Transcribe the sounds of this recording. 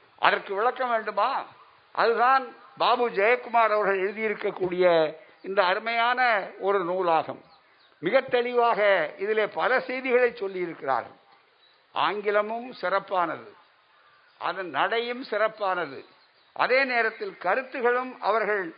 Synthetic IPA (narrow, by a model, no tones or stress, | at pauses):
ʔɐ̰ðɐrkɯʋɪɭɐkːɐʋeːɳɖɯmaː | ʔɐ̰ðɯðaːnbaːbud͡ʒɐjɐkːʊmaːɾɐʋɐɾɣɐɭɛɻɯðɪjɪɾɯkːɐkːuːɽɪjɐ | ɪnd̪ɐːɾɯmɐjaːnɐɔɾɯnuːlaːɣɐ̰mː | ɪɣɐt̪ːɛɭɪʋaːɣɐɪðɪleːpɐlɐsɛjðɪɣɐɭɐɪt͡ʃːɔlːɪjɪɾɯkːɪra̰ːɾɣɐ̰ | ʔa̰ːŋɡɪlɐmɯmsɪrɐpːaːnɐðɯ̰ | ʔɐ̰ðɐnnɐɽɐjɯmsɪrɐpːaːnɐðɯ̰ | ʔɐ̰ðeːneːɾɐt̪ːɪlkɐɾɯt̪ːɯɣɐɭɯmɐ̰ʋɐɾɣɐɭ